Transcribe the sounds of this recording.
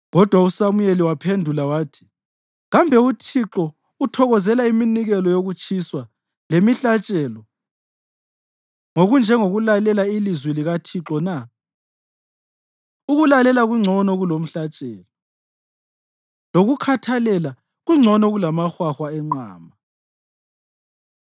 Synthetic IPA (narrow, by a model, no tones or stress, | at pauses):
ɣɔd̥ʱwausamujeliwapʰendʱulawaːtʰi̥ | ɣambʱɛutʰiǁɔ | utʰɔɣɔzɛlaiminiɣɛlɔjoɣut͡ʃʼʰiswa | lemiɬat͡ʃʼɛːlɔ | ŋoɣund͡ʒʱɛŋoɣulalɛlailizwiliɣatʰiǁɔna | uɣulalɛlaɣuŋ͡ǀʱɔnɔɣulom̩ɬat͡ʃʼɛːlɔ | loɣukʰatʰalɛla | ɣuŋ͡ǀʱɔnɔɣulamaxwaxwaɛŋ͡ǃa̰ːma